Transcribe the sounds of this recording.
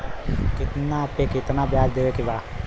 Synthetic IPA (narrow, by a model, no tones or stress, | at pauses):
kɪt̪napekɪt̪nabjaːsd̪eʋekiba